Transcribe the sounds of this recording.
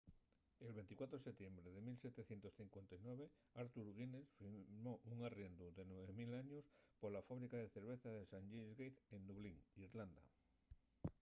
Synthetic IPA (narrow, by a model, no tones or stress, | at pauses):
e̞lβe̞nt̪ikwat̪ɾoeset̪je̞mbɾeðe̞milse̞t̪e̞θje̞nt̪o̞sθiŋkwe̞nt̪ajnwe̞β̞e̞ | aɾt̪uɾɣinesfimoʔuŋarje̞nd̪uðe̞nweβemilaɲospoɾlafaβɾikaðeθe̞ɾβ̞e̞θaðesaŋʎezɣejt̪end̪uβ̞liŋiɾland̪a̰